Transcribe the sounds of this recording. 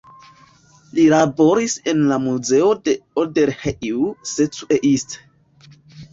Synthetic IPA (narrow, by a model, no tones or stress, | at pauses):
lilabo̞ɾisenlamuze̞ode̞oldeɾheʔiuset͡sueʔist